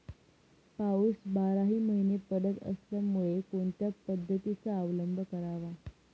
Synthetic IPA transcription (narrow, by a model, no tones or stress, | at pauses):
pausbaɾaɦiːməɦinepəɽət̪ə̰sljamuɭekoɳt̪japəd̪ʱːət̪it͡saːʋləmbʱəkəɾaʋa